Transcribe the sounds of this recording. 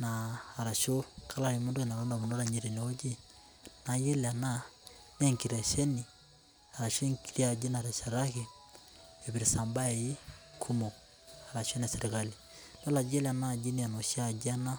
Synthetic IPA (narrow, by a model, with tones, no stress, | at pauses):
naː˨ɾa˨ʃo˦kʰa˦la˨ɾi˨mu˦ndo˦ɛ˨na˨ɾɔ˦nda˨mu˨ndo˦ɾa˨ɲi˨ɾi˨ne˦o˦d͡ʒi˦ | na˨je˦la˨na˦ | nɛ˦ŋki˨ɾɛ˨ʃɛ˦ni˨ | a˨ɾa˨ʃo˦ŋki˨ɾi˦a˨d͡ʒi˦na˨ɾɛ˨ʃa˨ɾa˦ke˦ | ɛ˨βi˨ɾi˨sa˨mba˦ɛ˨i˦kʰu˦mɔ˨ | a˨ɾa˨ʃo˦na˨sɛ˨ɾi˨ka˦li˨ | lɔ˦la˨d͡ʒɛ˦lɛ˨a˨na˦˨d͡ʒi˦ni˦a˨nɔ˨ʃi˦a˨d͡ʒi˦a˦na˦